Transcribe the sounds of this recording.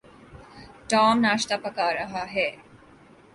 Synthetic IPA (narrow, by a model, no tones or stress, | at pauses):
ʈɔːmnaːʃt̪apɐkaːɾɐɦaɦɛː